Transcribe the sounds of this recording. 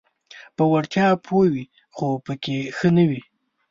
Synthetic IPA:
pəwaɽt̪jɑpʰowi | xopəkexənəwi

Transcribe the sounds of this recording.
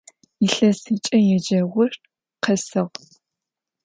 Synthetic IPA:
iɬɐsiːt͡ʃʼɐjɛd͡ʒɐʁʷʊʂt | qʰɐsɨʁ

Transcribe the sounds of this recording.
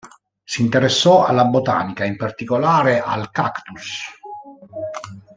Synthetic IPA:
siːnt̪eɾesːɔa̰lːabot̪a̰ːnikaimpart̪ikolaːɾeʔa̰lkakt̪us

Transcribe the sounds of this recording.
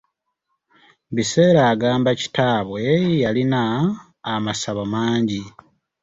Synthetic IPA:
βiseːɾaːɡaːmbaci̥taːβwe̞jalinaː | masaβomaːɲɟi

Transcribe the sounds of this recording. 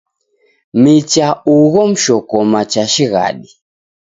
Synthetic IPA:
mit͡ʃauɣɔm̩ʃɔkɔmat͡ʃaʃiɣa̰ɗi

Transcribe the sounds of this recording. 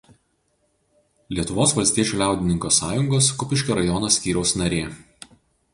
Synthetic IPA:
lʲiɛt̪ʊʋoːsʋɐlʲst̪ʲiɛt͡ʃʲuːlʲæˑʊd̪ʲɪnʲɪŋkoːsɑːjʊŋɡoːskʊpʲɪʃʲkʲoɾɐjɔnoːsʲkʲiːɾʲɛʊsnɐɾʲeː

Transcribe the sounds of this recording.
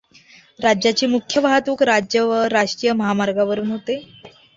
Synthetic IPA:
ɾad͡ʑjat͡ɕeːmukʰjəʋaɦət̪ukɾad͡ʑjəʋəɾaʂʈɾijəməɦamaɾɡaʋəɾuːnɦot̪e

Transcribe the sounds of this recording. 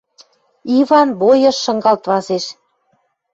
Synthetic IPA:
iβɑnβojɤ̆ʃːɤ̆ŋɡɑlt̪βɑzeʃ

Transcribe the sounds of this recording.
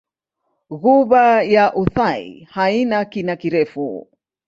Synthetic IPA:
ɣuβajaʔuθaḭhainakinakiɾɛfṵ

